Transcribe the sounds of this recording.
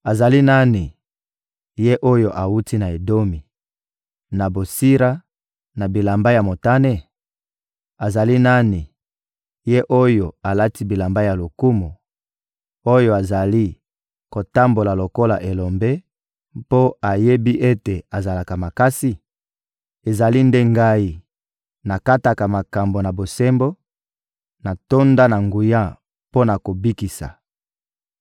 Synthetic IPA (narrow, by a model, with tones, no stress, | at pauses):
a˨za˨li˦na˦ni˨ | je˦ʔo˦jo˨ʔa˨wu˦ti˦na˨e˨do˦mi˨ | na˨bo˨si˦ʁa˦ | na˨bi˨la˨mba˦ja˨mo˨ta˦ne˦ | a˨za˨li˦na˦ni˨ | je˦ʔo˦jo˨a˨la˦ti˦bi˨la˨mba˦ja˨lo˨ku˦mo˨ | o˦jo˦˨a˨za˨li˦ | ko˨ta˦mbo˨la˨lo˨ko˦la˨ʔe˨lo˨mbe˦ | po˦a˨je˦bi˦ʔe˦te˨a˨za˨la˨ka˨ma˨ka˦si˦˨ | e˨za˨li˦nde˦ŋɡa˦i˦ | na˨ka˦ta˨ka˨ma˨ka˨mbo˨na˨bo˨se˦mbo˦ | na˨to˦nda˦na˨ŋɡu˨ja˦ | po˦na˨ko˨bi˦ki˨sa̰˨